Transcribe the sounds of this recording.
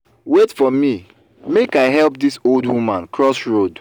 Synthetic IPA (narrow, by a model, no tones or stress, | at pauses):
wetfɔmi | mekaɪɦɛlpdisoldwumãnkɹɔsɹod